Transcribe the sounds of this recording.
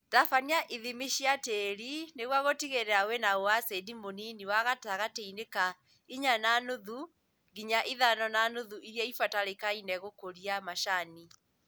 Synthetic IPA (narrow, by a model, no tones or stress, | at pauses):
tafaniaʔiðimiʃiateɾineɣwaɣotiɣeɾɛawɛnaowasedimoniniwaɣataɣateineka | iɲananoðu | ɡiɲaʔiðanɔnanoðuʔiɾjɛifataɾekainɛɣokoɾiamaʃani